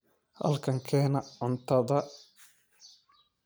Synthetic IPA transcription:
hɐ̰lkʰɐŋkʰɛːnɐʕʊnt̪ʰɐðɐ

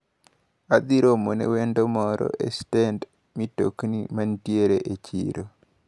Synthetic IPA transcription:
ad̪iɾomonḛwendomɔɾɔ̰ʔestɛnd | mito̰knḭmantjeɾeʔet͡ʃḭɾo

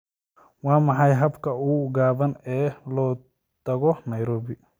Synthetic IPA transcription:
wɑːmɑħɑjɦɐbkʰɐuːɡaːβɐnɛːlɔː | t̪ʰɐɣɔnɐjɾɔːbɪ

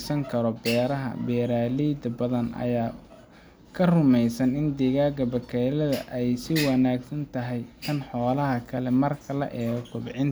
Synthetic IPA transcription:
sɐŋkʰɐɾɔbɛːɾɐɦɐ̰bɛːɾaːliːd̪ɐbɐðɐnɐ̰jaː | kʰɐrʊmɛjsɐnɪnd̪ɪɣaːɡɐbɐkʰɛlɐðɐʔɛjsɪwɑnaːɡsɐnt̪ʰɐɦɛjk̪ʰɐnħɔːlɐɦɐkʰɐlɛmɐrkʰɐlɐ̰ʔɛːɣɔkʊbɪʕɪnt̪

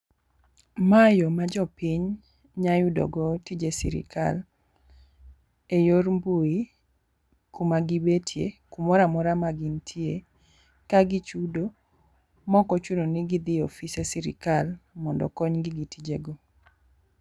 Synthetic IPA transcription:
majɔmad͡ʒɔpiɲ | ɲajudɔ̰ɡɔtid͡ʒesḭɾɪ̰kʰa̰l | ejormbui | kumaɡibetʰjḛkumɔɾamɔɾamaɡɪntʰje | kaɡɪt͡ʃudo | mɔkɔt͡ʃunonɪɡɪd̪ɪofisesiɾɪ̰kalmɔndɔ̰kɔɲɡɪɡitid͡ʒeɡɔ

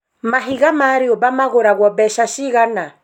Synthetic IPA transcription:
maɦiɣamaːɾiɔbamaɣoɾaɣwɔbɛʃaʃiɣana

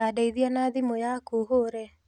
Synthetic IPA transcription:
adaiðianaðimɔjakuɦoɾɛ

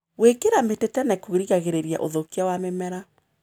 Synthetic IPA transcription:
wekeɾametetɛnɛkoɾiɣaɣeɾeɾia̰ʔo̰ðokiawamemɛɾa

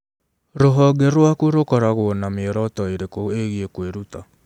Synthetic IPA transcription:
ɾoɦɔɡɛɾwakuɾokɔɾaɣoɔnameɾɔtɔeɾekoeɣiekweɾuta

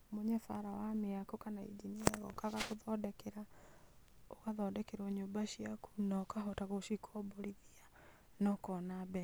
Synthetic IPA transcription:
moɲɛfa̰ɾawameakokanaḭd͡ʒiniaɣɔ̰kaɣakoðɔdɛkeɾa | oɣaðɔdɛkeɾɔɲoːmbaɕiaku̥nakaɦɔtaɣoʃikʰɔboɾiðia | nɔkɔnabɛ

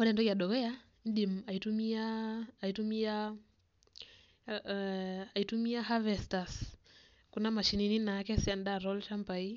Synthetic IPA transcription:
mɔɾɛndɔiaɗɔɣɛa | indimaitumiaːitumia | aitumiaɦavɛstas | kunamaʃinininakɛsiandaɾɔlt͡ʃampai

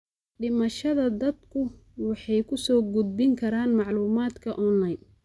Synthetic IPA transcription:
ɖɪmɐʃɐðɐd̪ɐd̪kʰʊwɑħɑjkʰʊsɔːɡʊd̪̚bɪŋkʰɐɾaːnmɑʕluːmaːd̪kʰɐʔɔnlajn

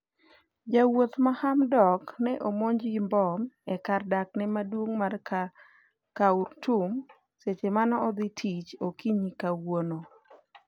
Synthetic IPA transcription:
d͡ʒawot̪mahamdɔknɛʔomoɲd͡ʒimbɔmɛkardak̚nɛmadwoŋmar | kaʊɾtum | set͡ʃemanɔːd̪ɪtʰit͡ʃokiɲikawwono

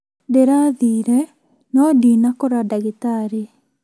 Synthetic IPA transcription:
deɾaðiːɾɛ | nɔdinakɔɾadaɣetaɾe

